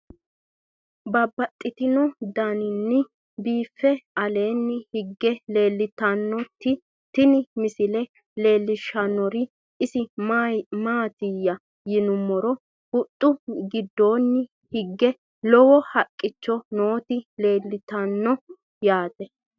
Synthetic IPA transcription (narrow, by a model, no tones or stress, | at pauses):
bɐbːɐt̪ʼːɪt̪ɪnɔd̪ɐnɪnːɪ | biːfːɛɐle̞ːnːɪhɪɡːɛleːlːɪt̪ːɐnːɔt̪ːɪ | t̪ːɪnɪmɪsɪlɛ | le̞ːlːɪʃɐnɔɾɪ | ʔɪsɪ | maːt̪ɪjːɐ | jɪnʊmːɔɾɔ | ʊt̪ʼːʊɡɪd̪ːo̞ːnːɪ | hɪɡːɛ | lɔwɔhɐkʼːɪt͡ʃːɔnoːt̪ɪle̞ːlːɪt̪ɐnːɔ | jaːt̪ɛ